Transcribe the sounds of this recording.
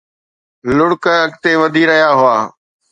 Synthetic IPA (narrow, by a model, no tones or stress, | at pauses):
lʊɽkəɐɡt̪eʋɐd̪ʱiɾɐɦijaɦʊaː